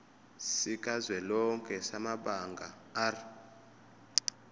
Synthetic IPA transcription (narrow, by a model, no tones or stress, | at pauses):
sik̬ʼazwɛlɔŋkʼɛsamaɓaŋɡʱa | ar